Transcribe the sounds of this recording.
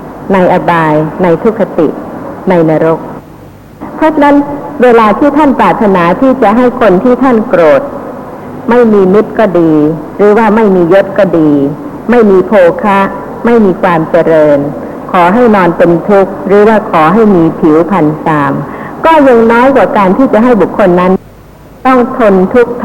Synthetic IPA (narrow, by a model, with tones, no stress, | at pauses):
na˧jʔa˧baː˧jna˧jt̪ʰu˦˥kʰːa˧t̪ḭ˨˩ʔna˧jnaː˧ɾo˦˥k̚ | pʰɾɔ˦˥t͡ɕʰa˧na˦˥nweː˧laː˧t̪ʰiː˥˩t̪ʰa˥˩npɾaː˨˩t̪ʰːa˧naː˩˦t̪ʰiː˥˩t͡ɕa˨˩ʔɦa˥˩jkʰo˧nt̪ʰiː˥˩t̪ʰa˥˩nkɾoː˨˩t̪̚ | ma˥˩jmiː˧mi˦˥t̪̚kɔː˥˩diː˧ | ɾɯː˩˦waː˥˩ma˥˩jmiː˧jo˦˥p̪̚kɔː˥˩diː˧ | ma˥˩jmiː˧pʰoː˧kʰa˦˥ | ma˥˩jmiː˧kʰwaː˧mt͡ɕa˧ɾɤː˧n | kʰɔː˩˦ɦa˥˩jnɔː˧nt̪e˧nt̪ʰu˦˥k̚ɾɯː˩˦waː˥˩kʰɔː˩˦ɦa˥˩jmiː˧pʰi˩˦wpʰa˧nsaː˧mkɔː˥˩jɯ˧ŋnɔː˦˥jkwaː˨˩kaː˧nt̪ʰiː˥˩t͡ɕa˨˩ʔɦa˥˩jbu˨˩kʰːo˧nːa˦˥n | t̪ɔ˥˩ŋt̪ʰo˧nt̪ʰu˦˥k̚t̪ʰ